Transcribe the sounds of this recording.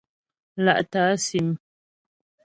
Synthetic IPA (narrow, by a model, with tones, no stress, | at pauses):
la̰˦ʔtaː˨˦si˨m